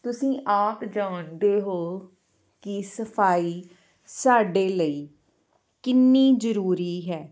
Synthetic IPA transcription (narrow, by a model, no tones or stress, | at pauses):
t̪ʊsĩːʔaːpd͡ʒaːnd̪eːɦoː | kisəpʰaːiː | saːɖeːləiː | kɪnːiːzəɾuːɾiːɦɛː